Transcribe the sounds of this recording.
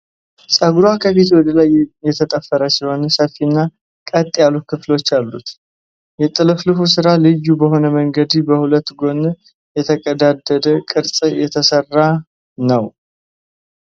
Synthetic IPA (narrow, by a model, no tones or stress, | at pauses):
sʼəɡuɾakʰəfit̪wɔd̪əlajjɛt̪ʰət̪ʼəfːəɾəsiho̞nsəfːinːa | kʼət̪ʼːjalukʰɨflo̞t͡ʃːalːut̪ | jɛt̪ʼɨlɨflɨfusɨɾalɨjːubəho̞nəməŋɡəd̪ibəhulət̪ːɡo̞n | jɛt̪ʰəkʼəd̪ad̪ːəd̪əkʼɨɾsʼɨjɛt̪ʰəsərːa | nəw